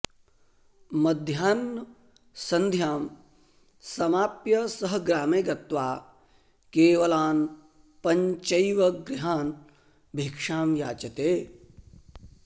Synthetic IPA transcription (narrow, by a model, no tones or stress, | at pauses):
mɐd̪ʱjaːnː | sɐ̃nd̪ʱjaːm | sɐmaːpjɐsɐɦɡɾaːmeːɡɐt̪ʋaː | keːʋɐlaːn | pɐɲt͡ʃɐjʋɐɡɾɪɦaːn | bʱikʂaːmjaːt͡ʃɐt̪eː